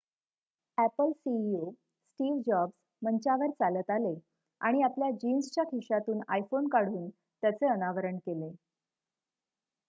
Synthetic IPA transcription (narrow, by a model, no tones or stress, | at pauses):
æpəlsio | sʈiːʋd͡ʑɔbs | mənt͡ɕaʋəɾt͡salət̪ale | a̰ɽ̃iapljad͡ʑinst͡ɕjakʰiʂat̪uːna̰jfonkaɽ̤uːn | t̪jat͡seənaʋəɾəɳkele